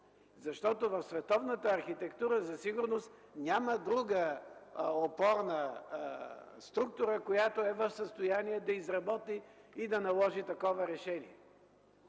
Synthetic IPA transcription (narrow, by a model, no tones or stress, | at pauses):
zɐʃt̪ɔt̪ovɐfsvɛt̪ɔvnət̪əːɾxit̪ɛkt̪uɾəzɐsiɡʊɾnost̪ | nʲjaməd̪ɾuɡə | opɔɾnə | st̪ɾuk̚t̪ʊɾəkojat̪oɛvɐfsəst̪ojaniɛd̪ɐizɾɐbɔt̪iːd̪ɐnɐlˠɔʒit̪ɐkɔvəɾɛʃɛniɛ